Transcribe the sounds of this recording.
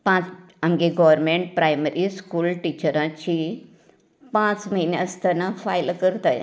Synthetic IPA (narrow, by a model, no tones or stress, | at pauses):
pãt͡s | amɡeɡɔʋəɾmẽɳʈ̚pɾajməɾiskuːlʈit͡ɕəɾãt͡ɕi | pãt͡sməineəst̪anafajlkəɾt̪aj